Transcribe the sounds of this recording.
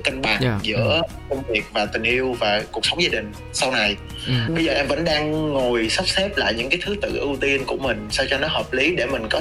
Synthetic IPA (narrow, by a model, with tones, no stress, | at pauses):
ka˧ŋɓaː˨˩n˧zɨ̰˧˥ə | kə˧wŋ͡mvi˨˩ək̚vaː˨˩t̪ï˨˩ŋ̟ʔi˧əwvaː˨˩ku˨˩k̚sə˨˦ŋ͡mzaː˧ɗï˨˩ŋ̟ | sa˧wna˨˩j | ɓə˧jzəː˨˩ʔɛ˧mvə̰˧˥nɗaː˧ŋːo˨˩jsa˦˥wp̚sɛ˦˥p̚la̰ː˧˨jɲɨ̰˧˥ŋkaː˨˦jt̪ʰɨ˨˦t̪ɨ̰˧˨ʔɨ˧wt̪i˧ənku˧˩əmï˨˩ŋ̟sa˧wt͡ɕɔ˧nɔ˨˦ɦəː˨˩p̚li˨˦ɗe˧˩mï˨˩ŋ̟kɔ˨˦